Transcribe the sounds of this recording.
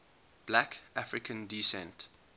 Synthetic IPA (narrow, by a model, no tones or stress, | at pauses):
b̥lækafɹɪkʰə̃ndisɛ̰̃nt